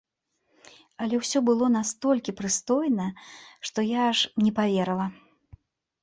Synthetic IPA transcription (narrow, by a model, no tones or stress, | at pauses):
ɐlʲɛwsʲɔbɨlˠɔnast̪ɔlʲkʲipɾɨst̪ɔjnɐʂt̪ɔjaʂnʲɛpavʲɛɾɐlˠɐ